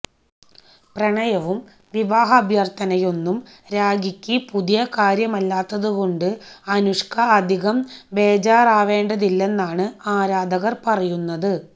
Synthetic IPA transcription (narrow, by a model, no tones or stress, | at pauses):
prɐɳɐjɐʋum | ʋiʋaːɦɐːbʱjɐrt̪ɐnɐjo̞nːum | ɾaːɡikʲːɨpuðijɐkaːɾjɐmɐlːaːt̪ːɐðuɣo̞ɳɖɨɐnuʂkʰɐːd̪ʱiɣɐmbe̞ːd͡ʑaːraːʋe̞ːɳɖɐðilːe̞nːaːɳɨaːɾaːd̪ɐɣɐrpɐrɐjunːɐðɨ